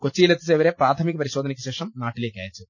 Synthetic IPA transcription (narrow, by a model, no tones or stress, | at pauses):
kot͡ɕːiːlet̪ːiseʋɐɾeːpɾaːt̪ʰɐmikɐpɐɾiɕoːd̪ɐnikʲːɐɕeːʂɐmnaːʈileːkʲːa̰ːjit͡ʃːu